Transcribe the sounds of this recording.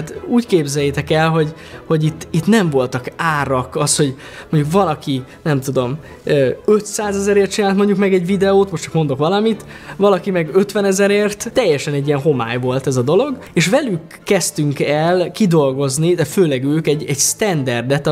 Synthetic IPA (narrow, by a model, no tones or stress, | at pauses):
at̪uːckeːbzɛjːet̪ɛkɛlɦo̞ɟ | ho̞ɟit̪ːit̪nɛɱvo̞lt̪ɒkaːɾɒkɒsho̞ɟ | moɲɟukʋɒlɒkinɛmt̪ud̪o̞m | øːø̞t̪saːzɛzɛɾeːrt̪̚t͡ʃinaːlt̪mo̞ɲɟukmɛɡɛɟvid̪ɛoːt̪mo̞ʃtt͡ʃɒkmo̞nd̪o̞kʋɒlɒmit̪vɒlɒkimɛɡøt̪ʋɛnɛzɛɾeːrt̪ːɛjːɛʃɛnɛɟːijɛnɦo̞ma̰ːjvo̞lt̪ɛzɒd̪o̞lo̞ɡ | eːʃʋɛlykːɛst̪yŋkɛlkid̪o̞lɡo̞znid̪ɛføːlɛɡøːkɛɟːɛɟst̪ɛnd̪ɛrd̪ɛt̪